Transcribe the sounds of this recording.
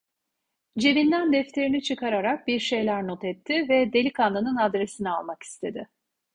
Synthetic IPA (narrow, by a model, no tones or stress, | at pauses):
d͡ʒe̞vind̪ænd̪ɛft̪ʰe̞ɾinit͡ʃʰɯkaɾaɾak̚biɾʃe̞jlʲæɾno̞t̪ʰɛt̪ʰːɪvɛd̪e̞lʲikanˠanɯnad̪ɾe̞sinia̰lˠmaki̥st̪ʰe̞d̪ɪ